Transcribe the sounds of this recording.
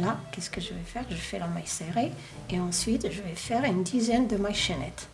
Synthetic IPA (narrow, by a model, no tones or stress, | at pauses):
lakʲɛskəʒəvɛfɛʁʒəfɛd̪ɑ̃maseʁe | eɑ̃sɥit̪ʒəvɛfɛʁynd̪izɛnd̪əmaʃɛnɛ̰t̪